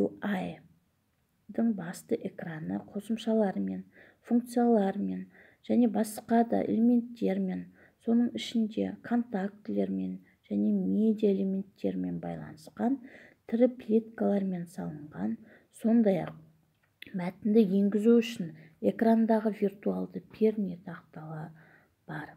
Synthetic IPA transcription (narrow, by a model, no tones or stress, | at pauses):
ṵaj | d̪əɴbɑst̪əʔe̞kranəqʰo̞səmʃɑlˠɑɾəme̞n | fuŋk̚t̪sijalˠɑɾme̞n | ʒ̥æne̞bɑsqɑd̪ɑ̰ʔḛlʲeme̞nt̪ːe̞ɾme̞n | so̞nəɴɪʃɪnd̪e̞̰kʰo̞nt̪ak̚t̪ɪle̞ɾme̞n | ʒ̥æne̞me̞d̪ijaelʲe̞mʲe̞nt̪ːe̞ɾme̞nbɑ̰jlˠɑ̰nəsqɑnt̪ʰɪɾɪplʲit̪kalˠɑɾme̞nsɑlˠəɴʁɑn | so̞nd̪ɑjɑ̰q̚ | mæt̪ɪnd̪ɪje̞ŋɡʲɪzuʏʃɪn | e̞krand̪ɑʁəvirt̪ualˠd̪əpʰeɾnʲet̪ʰɑqt̪ɑlˠɑ | b̥ɑɾ